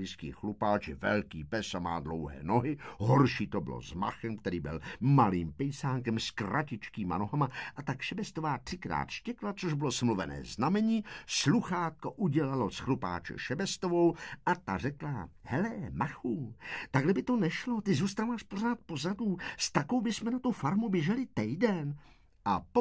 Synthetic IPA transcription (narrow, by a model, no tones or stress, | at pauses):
iskḭːxlupaːt͡ʃɪvɛ̰lkiːpɛsama̰ːdlo̰wɦɛ̰ːnoɦɪɦoɾʃiːt̪obɪ̰lo̰zma̰xɛmkt̪ɛɾiːbɪ̰lmaliːmpɛjsaːŋkɛmskrʔacɪt͡ʃkiːma̰noɦamaʔat̪akʃɛbɛst̪ovaːt̪r̥ɪkɾa̰ːt̪ʃcɛklat͡soʒbɪlosmluvɛnɛ̰ːznamɛɲiːsluxaːt̪̚koʔuɟɛlalosxlupa̰ːt͡ʃɛ̰ʃɛbɛst̪ovo̞wʔat̪arɛklahɛlɛmaxuːt̪aɡlɛbɪt̪o̞nɛʃlo̞t̪ɪzuːst̪aːvaːʃpo̞r̝aːt̪̚po̞zaduːst̪ako̞wbɪsmɛnat̪ufaɾmubjɛʒɛlɪt̪ɛjdɛn | ʔap